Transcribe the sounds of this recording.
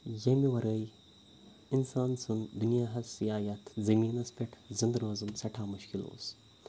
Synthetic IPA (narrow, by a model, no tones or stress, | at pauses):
jɐmiʋɐɾəj | insaːnsund̪unjaːɦɐsijaːjɐt̪ʰzɐmiːnɐspeʈʰzind̪ɾɐzumsɐʈʰaːmuʃkilo̰ːs